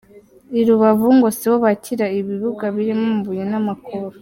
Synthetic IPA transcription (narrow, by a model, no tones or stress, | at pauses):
iɾuβavuŋɡo̞siwoβaciɾaiβiβuɡaβiɾimomβujenamakʰoɾo